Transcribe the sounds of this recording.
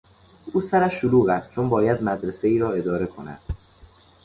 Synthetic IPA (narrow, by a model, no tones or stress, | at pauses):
ʔuːsæɾæʃːoluːɣæst̪̚t͡ʃʰonbɒːjæd̪mæd̪ɾese̞iːɾɒːe̞d̪ɒːɾe̞kʰo̞næ̰d̪̥